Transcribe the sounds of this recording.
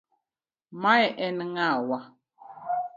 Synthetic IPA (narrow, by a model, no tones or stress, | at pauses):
maɛʔɛnŋawa